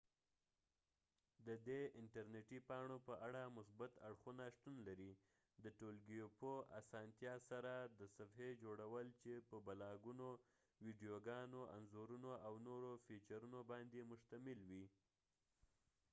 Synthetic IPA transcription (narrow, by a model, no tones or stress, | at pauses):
d̪əd̪eɪɳʈaɾneʈipɑɳopəʔaɽamʊsbat̪aɽxunaʃt̪unlaɾi | d̪əʈolɡijopoa̰sɑnt̪jɑsaɾad̪əsafhed͡ʒoɽawəlt͡ʃepəbalɑɡuno | wiɖijoɡɑnoʔa̰nzoɾunoawnoɾofit͡ʃaɾunobɑnd̪emʊʃt̪amɪlwi